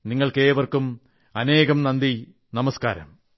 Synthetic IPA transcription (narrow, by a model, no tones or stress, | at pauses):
niŋːɐɭkeːʋɐrkum | ɐne̞ːɣɐmnɐnd̪i | nɐmɐska̰ːɾɐ̰m